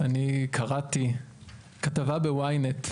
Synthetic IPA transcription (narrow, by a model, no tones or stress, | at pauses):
anikʰaʁati | katavabewajnet